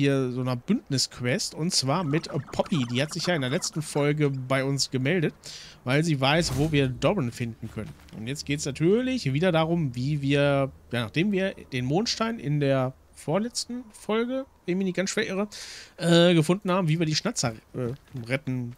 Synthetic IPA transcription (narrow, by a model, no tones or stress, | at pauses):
iːɐzoːnɐb̥ʏntnɪskʰv̥ɛstʊntt͡sv̥aːɐmɪtəpʰɔpʰidiːhatz̥ɪçjaːɪndeːɐlɛt͡stn̩fɔlɡəbaɪʊnsɡ̥əmɛldətvaɪlziːvaɪsvoːviːɐdɔʁɪnfɪndn̩kʰœnənʔʊ̰ntjɛt͡stɡ̥eːtsnatʰyːɐlɪçviːdɐdaːʁʊmviːviːɐjaːnaːχd̥eːmviːɐd̥eːnmoːnʃtaɪnʔɪ̰ndeːɐ | foːɐlɛt͡stn̩fɔlɡəvɛnmiːniɡansʃv̥ɛəʁəʔɛːɡəfʊndn̩haːbm̩viːviːɐdiːʃnat͡sɐʔɛːʁɛtn̩